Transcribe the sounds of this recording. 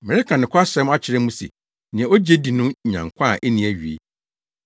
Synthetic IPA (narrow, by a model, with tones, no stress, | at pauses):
mɛ˨ɾɪ˦kʰa˨nɪ̃˨kʰɔ˦a˦ɕɛ̃˦ma˦t͡ɕʰɪ˨ɾɪ˦mũ˦sḛ˨ | nɪ̃˨ɛ̃˨o˦d͡ʑe˦di˨nʊ̃˦˨ɲã̰˨ŋkʷʰã˦˨ʔɛ˦nĩ˨æ˨ɥi˨ḛ˦